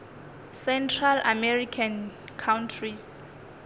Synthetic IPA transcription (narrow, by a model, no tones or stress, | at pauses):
sɛntʰrala̰mɛrikʰan | kʰawntʰris